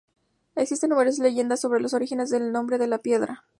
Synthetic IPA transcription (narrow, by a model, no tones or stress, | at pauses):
e̞ksist̪e̞nːumeɾos̬ile̞ʝe̞nd̪asːo̞βɾe̞lo̞so̞ɾixe̞ne̞zðe̞lnõ̞mbɾe̞ðe̞lapje̞ðɾa